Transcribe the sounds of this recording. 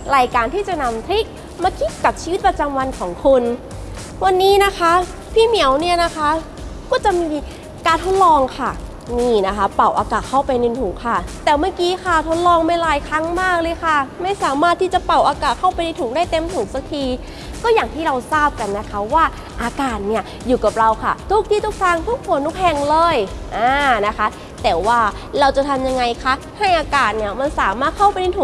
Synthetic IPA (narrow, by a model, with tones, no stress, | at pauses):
ɾaː˧jkaː˧nt̪ʰiː˥˩t͡ɕa˨˩na˧mt̪ʰi˦˥k̚ | maː˧kʰi˦˥t̪̚ka˨˩p̚t͡ɕʰiː˧wi˦t̪̚pɾa˧t͡ɕa˧mwa˧nkʰɔː˩˦ŋkʰu˧n | wa˧nːiː˦˥na˦˥kʰa˦˥ | pʰiː˥˩mi˨˩˦əwni˥˩ɐna˦˥kʰa˦˥ | kɔː˥˩t͡ɕa˨˩ʔmiː˧ | kaː˧nt̪ʰo˦˥t̪̚lɔː˧ŋkʰa˥˩ | niː˧˥˩na˦˥kʰa˦˥pa˨˩wʔaː˧kaː˨˩t̪̚kʰa˥˩wpa˧jni˧nt̪ʰuː˨˩˦ŋkʰa˥˩t̪ɛː˨˩wmaː˥˩kiː˦˥kʰa˥˩t̪ʰo˦˥t̪̚lɔː˧ŋma˥˩jlaː˧jkʰɾa˦˥ŋmaː˥˩k̚lɤː˧jkʰa˥˩ma˥˩jsaː˩˦maː˥˩t̪ʰːiː˥˩t͡ɕa˨˩pa˨˩wʔaː˧kaː˨˩t̪̚kʰa˥˩wpa˧jna˧jt̪ʰuː˨˩˦ŋdaː˥˩jt̪e˧mt̪ʰu˨˩˦ŋsa˦k̚t̪ʰiː˧ | kɔː˥˩jaː˨˩ŋt̪ʰiː˥˩ɾa˧wsaː˥˩p̚ka˧nːa˦˥kʰa˦˥waː˥˩ | ʔaː˧kaː˨˩t̪̚ni˥˩ɐ | juː˨˩ka˨˩p̚ɾa˧wkʰa̰˥˩t̪ʰu˦˥k̚t̪ʰiː˥˩t̪ʰu˦˥k̚t̪ʰaː˧˥˩ŋt̪ʰu˦˥k̚mʰu˧˩ənt̪ʰu˦˥k̚hɛ˨˩ŋlɤː˧jʔaː˧na˦˥kʰa˦˥ | t̪ɛː˨˩waː˥˩ | ɾa˧wt͡ɕa˨˩t̪ʰa˧mja˧ŋːa˧jkʰa˦˥ | ha˥˩jʔaː˧kaː˨˩t̪̚ni˥˩ɐma˧nsaː˨˩˦maː˥˩t̪̚kʰa˥˩wpa˧jni˧t̪ʰu˨˩˦ŋ